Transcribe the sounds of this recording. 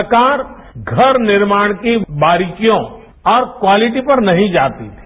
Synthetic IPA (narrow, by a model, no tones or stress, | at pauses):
kaːɾɡʱɐɾnɪɾmaːɽ̃kibaːɾɪkijõ | ɔːɾkwaːlɪʈipɐɾnɐɦĩd͡ʒaːt̪it̪ʰi̥